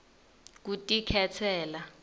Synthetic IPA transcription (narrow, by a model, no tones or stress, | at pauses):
k̬utʼikʰɛtʰɛːla